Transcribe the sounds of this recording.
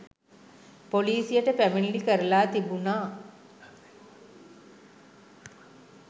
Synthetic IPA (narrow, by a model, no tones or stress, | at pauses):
poliːsijəʈəpæminlikəɾəlaːt̪ibunaː